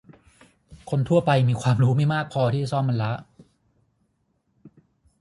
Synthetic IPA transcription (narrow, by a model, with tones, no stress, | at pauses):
kʰo˧nt̪ʰu˥˩ɐpa˧jmiː˧kʰwaː˧mɾuː˦˥ma˥˩jmaː˥˩k̚pʰɔː˧t̪ʰiː˥˩t͡ɕa˨˩sɔː˥˩mːa˧nla˦˥ʔ